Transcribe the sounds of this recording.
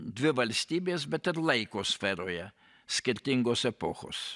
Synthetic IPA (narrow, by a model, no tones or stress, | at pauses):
d̪ʲʋʲɪʋɐlʲsʲt̪ʲiːbʲeːsbʲɛt̪ɪɾlˠɐɪkoːsʲfʲɛɾoːjɛ | sʲkʲɪɾʲt̪ʲɪŋɡoːsɛpoːxo̰ːs